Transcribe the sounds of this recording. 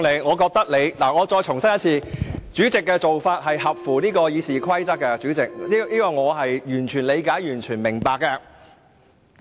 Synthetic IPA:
le˨˧jŋɔː˨˧kɔː˧k̚t̪ɐ˥k̚le˨˧jlaː˨˩ŋɔː˨˧t͡ʃɔː˧jt͡ʃʰʊ˨˩ŋsɐ˥njɐ˥t̚t͡sʰiː˧t͡ʃyː˨˥t͡sɪ˨kːɛː˧t͡so˨wfaː˧t̚hɐ˨jhɐ˨p̚fuː˨˩niː˥kɔː˧jiː˨˧siː˨kʰɐ˥jt͡sɐ˥k̚ːɛ˧t͡ʃyː˨˥t͡sɪ˨k̚i˥iː˥kɐː˨˩jŋɔː˨˧ɦɐ˨jjyː˨˩nt͡ʃʰyː˨˩nle˨˧jkaː˨˥jjyː˨˩nt͡ʃʰyː˨˩nmɪ˨˩ŋpaː˨kːɐ˧

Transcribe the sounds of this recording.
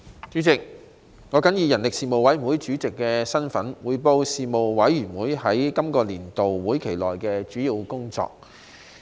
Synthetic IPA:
t͡ʃyː˨˥t͡sɪ˨k̚ | ŋɔː˨˧kɐ˨˥njiː˧jɐ˨˩nlɪ˨k̚siː˨mo˨wɐ˨˥jm˨˩wu˨˥jt͡ʃyː˨˥t͡sɪ˨kːɛ˧sɐ˥nfɐ˨˥nwuː˨˧jpo˧wsiː˨mo˨wwɐ˨˥jːyː˨˩nwuː˨˥jhɐ˨˥jkɐ˥mkɔː˧liː˨˩nt̪o˨wwuː˨˥jkʰe˨˩jlɔː˨jkɛː˧t͡ʃyː˨˥jiː˧wkʊ˥ŋt͡sɔ̰ː˨k̚

